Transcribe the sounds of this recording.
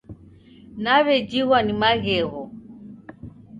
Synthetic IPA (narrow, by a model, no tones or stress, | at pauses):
naβɛd͡ʒiɣwanimaɣɛɣɔ